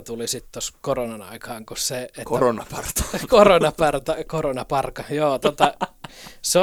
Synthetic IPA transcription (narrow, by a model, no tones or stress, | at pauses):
t̪ulisit̪t̪oskoronɑnɑ̰ikɑːŋkuseekoronɑpɑrt̪ɑ̥koronɑpɑrt̪ɑkoronɑpɑrkɑjoːt̪ot̪ɑ | seo